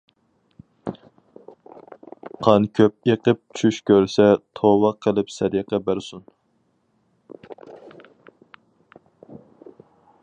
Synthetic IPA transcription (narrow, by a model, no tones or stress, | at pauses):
qʰɑnkʲʰøp̚eqəp̚t͡ʃʰyʃkʲʰøɾsɛt̪ʰowɑqʰəlˠɨpsɛɾiqɑbæɾsun